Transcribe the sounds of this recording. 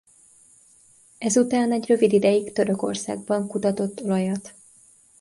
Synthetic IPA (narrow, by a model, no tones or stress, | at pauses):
ɛzut̪aːnɛɟrø̞vid̪id̪ɛjikt̪ø̞ɾø̞ko̞̰rsa̰ːɡ̚bɒŋkut̪ɒt̪o̞t̪ːo̞lɒjɒt̪